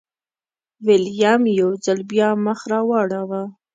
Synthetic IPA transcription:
wɪljamjawzalbjɑməxɾɑwɑɽawa

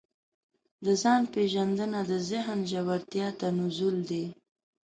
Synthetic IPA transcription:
d̪əzɑnpeʒand̪ənad̪əzɪɦnʒawaɾt̪jɑt̪anʊzuld̪e

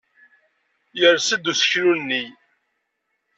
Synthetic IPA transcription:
jəɾsəd̪usə̥çɾunːi

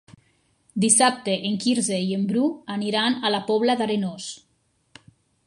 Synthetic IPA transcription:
d̪isap̚t̪eʔeŋkiɾzeiembɾuaniɾanalapɔβlaðaɾenos

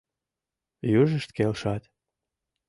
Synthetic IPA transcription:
jyʒəʃt̪kelʃɑt̪

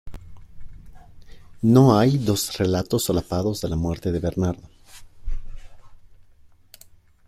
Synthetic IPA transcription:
no̞ajd̪o̞sre̞lat̪o̞solapaðozðe̞lamwe̞ɾt̪e̞ðe̞βe̞ɾnaɾðo̞

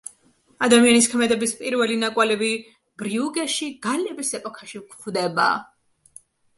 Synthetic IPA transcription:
ad̪amianiskʰmɛd̪ɛbispʼiɾvɛlinakʼwalɛbi | b̥ɾiuɡɛʃiɡalɛbisɛpʼɔkʰaʃikχvd̪ɛba̰ː

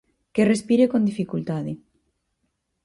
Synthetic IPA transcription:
kerespiɾekond̪ifikult̪aði

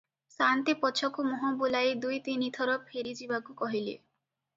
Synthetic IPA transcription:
sant̪ipɔt͡ʃʰɔkumɔɦɔbulaed̪ujt̪init̪ʰɔɾɔpʰeɾid͡ʒibakukɔɦilḛ

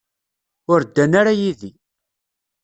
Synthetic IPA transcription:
ʊɾd̪ːænaɾajiði

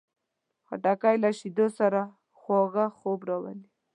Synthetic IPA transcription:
xa̰ʈakajlaʃid̪osaɾa | xwoɣaxobɾawa̰li

